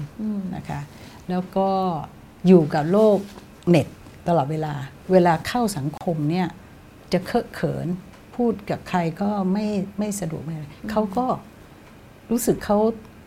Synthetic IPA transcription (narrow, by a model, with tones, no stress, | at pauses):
na̰˦˥kʰa˦˥ | lɛː˦˥wkɔː˥˩ | juː˨˩ka˨˩p̚loː˥˩k̚ | ne˨˩t̪̚ːa˧lɔː˨˩t̪̚weː˧laː˧ | weː˧laː˧kʰa˥˩wsa˩˦ŋkʰo˧mni˥˩ɐ | t͡ɕa˨˩ʔkʰɤ˦˥ʔkʰɤ̰ː˩˦n | pʰuː˥˩t̪̚ka˨˩p̚kʰɾa˧jkɔː˥˩ma˥˩jma˥˩jsa˧du˨˩ək̚ma˥˩˨ɾa˧jkʰa˦˥wkɔː˥˩ | ɾuː˦˥sɯ˨˩kʰːa˦˥w